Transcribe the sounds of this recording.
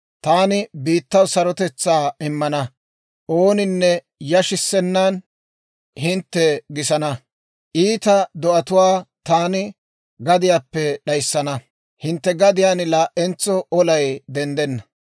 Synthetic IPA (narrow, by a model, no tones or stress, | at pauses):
t̪aːnɪbiːt̪ːɐwsɐɾɔt̪ɛt͡sːaːɪmːɐnɐ | ʔoːnɪnːɛ | jɐʃɪsːɛnːan | hɪnt̪ːɛɡɪsɐnɐ | ʔiːt̪ɐd̪ɔʔɐt̪ʊwaːt̪aːnɪ | ɡɐd̪ɪjaːpːɛɗɐjsːɐnɐ | hɪnt̪ːɛɡɐd̪ɪjaːnɪlaːʔɛnt͡sːɔɔlɐjd̪ɛnd̪ɛnːɐ